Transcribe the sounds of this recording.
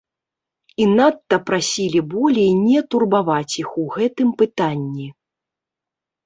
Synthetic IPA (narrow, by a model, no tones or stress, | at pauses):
inat̪ːɐpɾasʲilʲibɔlʲejnʲɛt̪urbavat͡sʲixuɣɛt̪ɨmpɨt̪anʲːi